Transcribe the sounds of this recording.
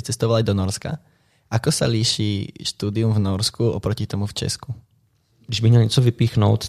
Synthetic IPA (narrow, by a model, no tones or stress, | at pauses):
t͡sɛst̪ɔʋalajd̪ɔnɔɾska̰ | ʔakɔsa̰liʃiːʃt̪uːd̪iumvnɔɾskuɔpɾɔcit̪ɔmuft͡ʃɛ̰sku | ɡdiʒbimɲɛlɲɛt͡sɔvipiːxnɔʊt̪